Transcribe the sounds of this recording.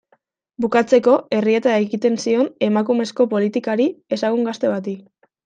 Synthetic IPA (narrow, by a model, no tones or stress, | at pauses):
bukat͡se̞ko̞e̞rie̞t̪aajɣit̪e̞nsio̞ne̞makume̞sko̞po̞lit̪ikaɾie̞saɣ̞uŋɡast̪e̞βat̪̬i